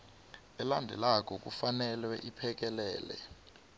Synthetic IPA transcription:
ɛlandʱɛlak̬ʼɔk̬ufanɛlwɛʔipʰɛk̬ɛlɛːlɛ̰

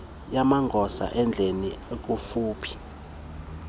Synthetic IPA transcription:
jamaŋɡʱɔsa̰ʔɛnd͡ɮʱeniek̬ʼufuːpʰi̥

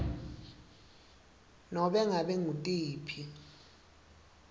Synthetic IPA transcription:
nɔɓɛŋaɓɛŋutʼiːpʰi

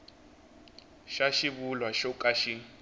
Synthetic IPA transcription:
ʃaʃiβulwaʃɔkʼaʃi

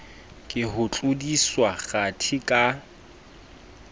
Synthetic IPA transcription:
kʼɪɦʊt͡ɬʼʊdiswaɣatʰikʼa

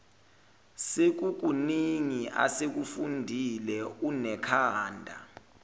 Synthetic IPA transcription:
sek̬uk̬uniŋiʔa̰sek̬ufundʱilɛunɛkʰaːndʱa̰

